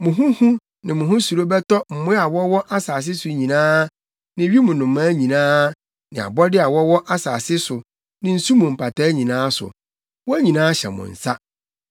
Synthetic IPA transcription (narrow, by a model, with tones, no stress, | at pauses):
mʊ̃˨ɦʊ̃˦hũ˦ | nɪ̃˨mʊ̃˨ɦʊ̃˦su˨ɾo˦bɛ˦tɔ˦m̩˨mʊ̃˦a˨wɔ˦wɔ˦ʔa˦saː˨s̬ɪ˦sʊ˨ɲĩ˨nãː˦ | nɪ̃˨ɥi˦mʊ̃˨nʊ̃˨mːã˦ɲĩ˨nãː˦ | nɪ̃˨a̰˨bɔ˦dɪ˦a˨wɔ˦wɔ˦ʔa˦saː˨sɪ˦sʊ˨ | nɪ̃˨n̩˦su˦mũ˨m̩˨pʰa˨tʰa˦ɲĩ˨nãː˦sʊ̰˨ | wɔ˦æ˦ɲĩ˨nãː˦ɕɛ̰˨mʊ̰̃˨n̩˨sa˦